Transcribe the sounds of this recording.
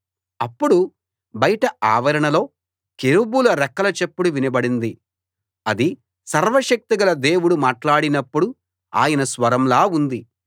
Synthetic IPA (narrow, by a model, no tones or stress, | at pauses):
ɐpːuɽu | bɐjɐʈɐaːʋɐɾɐɳɐlo̞ː | keɾubulɐɾɛkːɐlɐt͡ʃepːuɽuʋinɐbɐɽind̪i | ɐd̪i | sɐɾʋɐʃɐk̚t̪iɡɐlɐd̪e̞ːwuɽumaːʈlaːɽinɐpːuɽu | a̰ːjɐnɐsʋɐɾɐmlaːund̪i